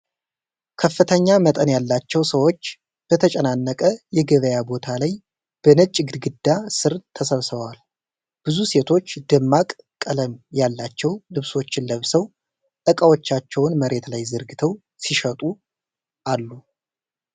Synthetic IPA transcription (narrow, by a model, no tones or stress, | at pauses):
kʰəfːɨt̪ʰəɲːamət̪ʼənjalːat͡ʃːɛwsəwo̞t͡ʃː | b̥ət̪ʰət͡ʃʼənanːəkʼəjɛɡəβəjabo̞t̪ʰalaj | b̥ənɨt͡ʃʼːɡɨd̪ɡɨd̪ːasɨɾt̪ʰəsəβsɨβəwal | b̥ɨzuse̞t̪ʰo̞t͡ʃːd̪ɨmːakʼ | kʼːələmjalːat͡ʃːɛwlɨβso̞t͡ʃːɪnləβsəw | t̪ʼəkʼawo̞t͡ʃːat͡ʃːɛwnməɾe̞t̪lajzɨɾɡɨt̪ʰəw | siʃət̪ʼu | ʔalːu